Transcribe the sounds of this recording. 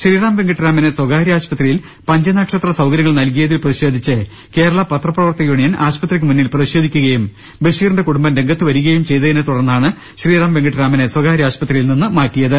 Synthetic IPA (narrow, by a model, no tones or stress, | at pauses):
ɕriːɾaːmʋe̞ŋɡɐʈːɾaːmɐneswɐɡaːɾijaːɕpɐt̪rijil | pɐɲd͡ʑɐnaːʈʂɐt̪ːrɐsɐwɡɐɾjɐŋɐɭnɐlkijɐðilprɐðiɕo̞ːd̪ʱit͡ɕːɨ | ke̞ːɾɐɭɐpɐt̪rɐpːrɐʋɐrt̪ɐjuːɳijɐna̰ːɕpɐt̪rik̬ʲːɨmunːilprɐðiɕo̞ːd̪ʱikʲːuɣɐjum | beʂiːrnɳɖe̞kuɽumbɐnɾe̞ŋɡɐt̪ːɨʋɐɾuɣɐjumt͡ɕe̞jt̪ɐðinɨt̪uɽɐrnːaːɳɨ | ɕriːɾaːmʋe̞ŋɡɐʈɾaːmɐneswɐɡaːɾijaːɕpɐt̪rijilninːɨmaːʈːijɐðɨ